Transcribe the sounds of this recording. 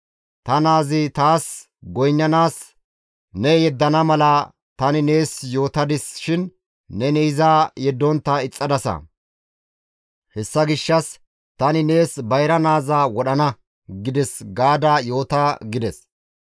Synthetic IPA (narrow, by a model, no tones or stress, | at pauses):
t̪ɐnaːzɪt̪aːs | ɡɔjnːɐnaːs | nɛjɛd̪ːɐnɐmɐlɐ | t̪ɐnɪne̞ːsjo̞ːt̪ɐd̪ɪsʃɪnː | ɛnɛɪzaːjɛd̪ːɔnt̪ːɐɪt͡sʼːɐd̪ɐsɐ̰ | hɛsːɐɡɪʃːɐs | t̪ɐnɪne̞ːsbɐjɾɐnaːzaːwɔɗɐnɐ | ɡɪd̪ɛsɡaːd̪aːjo̞ːt̪ɐɡɪd̪ɛs